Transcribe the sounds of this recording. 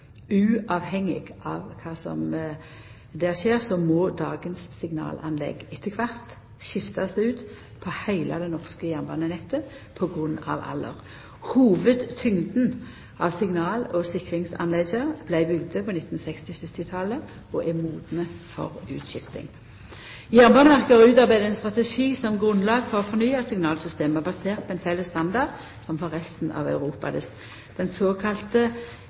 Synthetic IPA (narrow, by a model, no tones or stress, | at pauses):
ʉːʔɑːʋhɛŋːɪ̰ɡʔɑːʋkʰɑːsɔ̰m | d̪ɛʃeːʁsɔmɔd̪ɑːɡənsːɪŋnɑ̰ːlʔɑ̰nlɛ̰ɡɪt̪ʰːəkʰʋɑʁt̪ | ʃɪft̪ɑsd̪ɛʉːt̪ | pʰɔhæɪlɑ̰d̪ɛnɔʁskəjæʁnbɑnənɛt̪ːə | pʰɔɡʁʉnːɑ̰ːʋɑ̰lːə̰ʁ | huːʋəd̪t̪ʰʏŋd̪n̩ | ʔɑʋsɪŋnɑːlɔsɪkʁɪŋsɑ̰nlɛɡəb̥læɪbʏɡd̪əpʰɔnɪt̪n̩sɛkst̪ɪsʉt̪ːɪt̪ʰɑlə | ɔʔɛmuːd̪nəfɔ̰ʁʉ̰ːt̪ʃɪft̪ɪ̰ŋ | jæʁbɑnəʋæʁkəʁʉːt̪ɑʁbæɪd̪əɛnst̪ʁɑt̪ɛʂiːsɔmɡʁʉnlɑːɡfɔʁɔfɔʁnyːɑsɪŋnɑːlsʏst̪eːməbɑseːʁt̪̚pʰɔɛnfɛlːəst̪ɑnd̪ɑʁd̪ | sɔmfɔʁɛst̪n̩ɑ̰ːʋɑ̰ʉʁuːpɑ̰d̪ɛ | d̪̥ɛnsoːkʰɑlt̪ə